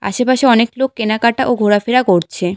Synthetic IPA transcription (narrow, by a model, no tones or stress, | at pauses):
a̰ʃepaʃeɔneklokːenakaʈaʔoɡʱoɾafeɾakoɾt͡ɕʰe